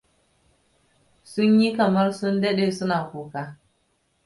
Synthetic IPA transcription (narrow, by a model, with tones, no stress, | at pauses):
su˦nji˦ka˨ma˦ɾsu˦nde˦ɗe˨su˦na˨ku˨ka˦